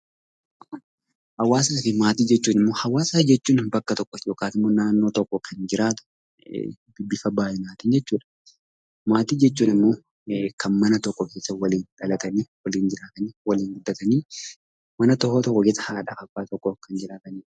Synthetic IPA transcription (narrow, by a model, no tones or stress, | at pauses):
hɐwaːs̬aːfɪmaːt̪iːd͡ʒɛt͡ʃːuːnɪmːoːhɐwaːsɐd͡ʒɛt͡ʃːuːnbɐkːɐt̪ɔkːɔjoːkaːt̪ɪmːoːnaːnːo̞ːt̪ɔkːɔkʰɐnd͡ʒɪɾaːt̪ʊ̥̰ | d̪ɪbːɪfɐbaːʔɛnaːt̪ɪːnd͡ʒɛt͡ʃːuːᶑɐ̥ | maːt̪iːd͡ʒɛt͡ʃːuːnɪmːo̞ː | kʰɐnmɐnɐt̪ɔkːɔke̞ːsːɐwɐliːnᶑɐlɐt̪ɐniwɐliːnd͡ʒɪɾaːt̪ɐniwɐliːŋɡʊd̪ːɐt̪ɐniː | mɐnɐt̪ɔkːɔt̪ɔkːɔɡesɐhaːᶑɐfɐfaːt̪ɔkːɔkɐnd͡ʒɪɾaːt̪ɐniː